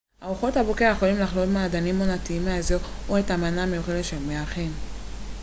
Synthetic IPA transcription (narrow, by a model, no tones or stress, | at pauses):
hauχo̞thabokeajeo̞limlaχlolmeaaːdanimonatiimazooetamanamejuχedetʃelmeaχem